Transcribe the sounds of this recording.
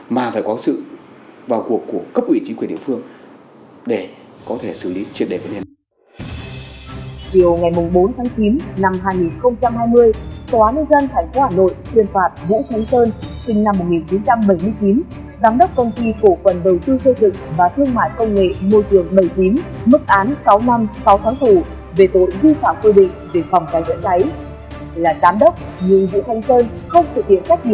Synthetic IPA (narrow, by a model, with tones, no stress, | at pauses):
maː˨˩faː˧˩jkɔ˨˦sɨ̰˧˨ | vaː˨˩wku˨˩əkːu˧˩əkə˦˥p̚ʔwi˧˩t͡ɕi˨˦kwi˧˩nɗ̰ə˨fɨ˧əŋ | ɗe˧˩ | kɔ˨˦t̪ʰe˧˩sɨ˧˩li˨˦t͡ɕwi˧˨ən̚ɗe˧˩və˨˦ne˧˨ | t͡ɕi˨˩əwŋa˨˩jmʊ˨˩ŋ͡mɓo˨˦nt̪ʰaː˨˦ŋt͡ɕi˨˦nna˧mɦaː˧jŋi˨˩nxə˧wŋ͡mt͡ɕa˧mhaː˧jmɨ˧əjt̪aː˨˦nə˧nzə˧nt̪ʰaɛ˧˩jŋ̟fo˨˦haː˧˩no̰˧˨jt̪ʰwi˧ənfaː˨˩t̚vṵ˧˥xʰa˨˦jŋ̟səː˧nsï˧ŋ̟na˧mː˨˩t̚ŋi˨˩nt͡ɕi˨˦nt͡ɕa˧mɓə˧˩jmɨ˧əjt͡ɕi˨˦n | zaː˨˦mɗə˦˥wk͡p̚kə˧wŋ͡mt̪i˧fo˧˩fə˨˩nɗə˨˩wt̪ɨ˧sə˧jzɨ̰˧˨ŋvaː˨˩t̪ʰɨ˧əŋma̰ː˧˨jkə˧wŋ͡mŋḛ˧˨mo˧jt͡ɕɨ˧˩əŋɓə˧˩jt͡ɕi˨˦nmɨ˦˥k̚ʔaː˨˦nsa˨˦wna˧msa˨˦wt̪ʰaː˨˦ŋt̪ʰu˧˩ | ve˨˩t̪o̰˧˨jzi˧faː˧˨mkwi˧ɗḭ̈˧˨ŋ̟ve˨˩fɔ˨˩wŋ͡mt͡ɕa˨˦jzə̰˧˥nt͡ɕa˨˦j | laː˨˩zaː˨˦mɗə˦˥wk͡p̚ɲɨ˧ŋvṵ˧˥t̪ʰa˨˦jŋ̟səː˧n | xə˧wŋ͡mt̪ʰɨ˨˩k̚hḭ˧˨ənt͡ɕa˦˥k̟̚ɲḭ˧˨